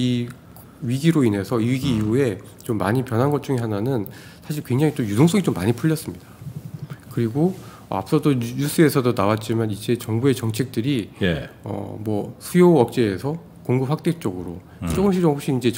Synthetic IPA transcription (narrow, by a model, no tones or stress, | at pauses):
i | ɥiɡiɾoine̞sʰʌiɥiɡiːue̞ | t͡ɕomːa̰ɲipjʌnɦanɡʌt̚t͡ɕ͈uŋeɦananɯn | sʰaɕ̬ʰiɭkwe̞ŋd͡ʑaŋit͈ojudoŋs͈ʌɡit͡ɕomːaɲipʰuʎːʌs͈ɯmɲid̥a | kɯɾiɡo | a̰p̚s͈ʌdoɲus͈ʰɯesʰʌdonawat̚t͡ɕ͈imanid͡ʑe̞t͡ɕʌŋbue̞t͡ɕʌŋt͡ɕʰe̞k̚t͈ɯɾijʌ̰mwʌsʰujoʌk̚t͡ɕ͈e̞ːsʰʌ | koŋɡɯp̚ɸwak̚t͈ek̚t͡ɕ͈ʌɡɯɾo | t͡ɕ͈oɡɯmɕʰiɾoɦok̚ɕ͈iind͡ʑe̞